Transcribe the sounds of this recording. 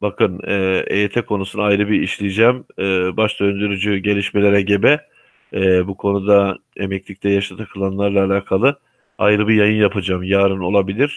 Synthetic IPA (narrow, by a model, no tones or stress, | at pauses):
bakɯnɛːḛjet̪ʰɛkʰo̞nusunajɾɯbiiʃlʲijid͡ʒɛmɛːbaʃt̪ʰønd̪yɾyd͡ʒyɟe̞lʲiʃme̞lʲeɾɛɟebɛ | bukʰo̞nud̪aemɛclʲict̪ʰɛjaʃt̪at̪ʰakʰɯlˠanlˠaɾlˠaːlʲaːkʰalˠɯ | ajɾɯbijajɯnjapʰɯd͡ʒamjaːɾɯno̞lˠabilʲiɾ̥